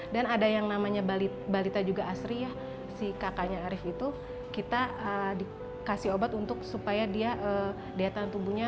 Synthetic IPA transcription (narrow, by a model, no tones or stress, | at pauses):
danadajaŋnamaɲabalit̪̚balit̪ad͡ʒuɡaːsɾijah | sikakaɲaːɾɪfit̪u | kit̪aədi | kasiobat̪unt̪ʊk̚supajadiaʔə | deat̪ant̪ubuɲa